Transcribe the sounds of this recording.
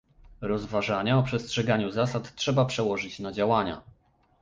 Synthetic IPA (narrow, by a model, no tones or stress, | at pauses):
ɾɔzvaʐaɲaɔpʂɛstʂɛɡaɲuzasat̪tʂɛbapʂɛwɔʐɘt͡ɕnad͡ʑawaɲa̰